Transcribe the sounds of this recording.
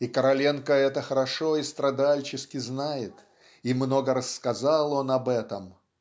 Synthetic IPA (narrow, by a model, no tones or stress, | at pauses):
ikəɾɐlʲenkəɛt̪əxəɾɐʂo̞ist̪ɾɐd̪alʲt͡ɕɪskʲɪznajɪt̪ | imno̞ɡəɾəsːkɐzalˠo̞nɐbɛt̪əm